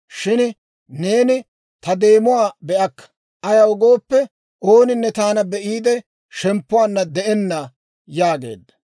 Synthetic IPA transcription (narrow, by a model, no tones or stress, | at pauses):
ʃɪn | ne̞ːnɪ | t̪ɐd̪e̞ːmʊwaːbɛʔɐkːɐ̥ | ʔɐjɐwɔɡo̞ːpːɛ | ʔo̞ːnɪnːɛt̪aːnɐbɛʔiːd̪ɛ | ʃɛmpːʊwaːnːɐd̪ɛʔɛnːɐ | jaːɡe̞̰ːd̪ːɐ̥